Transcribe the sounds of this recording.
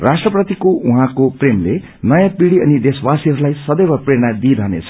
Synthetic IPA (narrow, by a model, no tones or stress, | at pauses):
rasʈrʌprʌt̪ikoʔuɦãkopremle | nʌjãpiɽiʌnid̪eswasiɦʌɾulajsʌd̪ʌjɾʌpreɽ̃ad̪iɾʱʌɦnḛt͡sʰʌ̥